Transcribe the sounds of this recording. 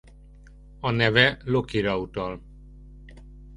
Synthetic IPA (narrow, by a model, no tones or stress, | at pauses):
ɒnɛvɛlokiɾɒut̪ɒl